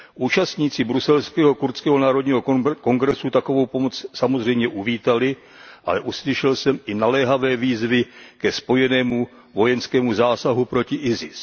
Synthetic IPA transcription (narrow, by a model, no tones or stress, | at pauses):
ʔuːt͡ʃast̪ɲiːt͡sɪbɾusɛlskɛːɦokuɾt̪skɛːɦonaːɾo̞dɲiːɦoko̞ŋɡɾɛsut̪ako̞vowpomot͡ssamozr̝ɛjmɲɛʔuviːt̪alɪ | ʔa̰lɛʔuslɪʃɛlsɛmɪnalɛːɦavɛːviːzvɪkɛspo̞jɛnɛːmu | vo̞jɛnskɛːmuzaːsaɦupɾo̞cɪʔɪzɪs